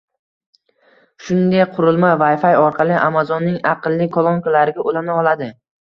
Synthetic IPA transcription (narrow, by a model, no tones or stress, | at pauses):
ʃʊnd̪ajqʰʊɾɪlˠmavajfajɒɾqʰɑlˠɪʔamazɒnːɪŋɑqɨlˠːɪkʰolˠoŋkalaɾɪɡʲaʔolanaɒlˠad̪ɪ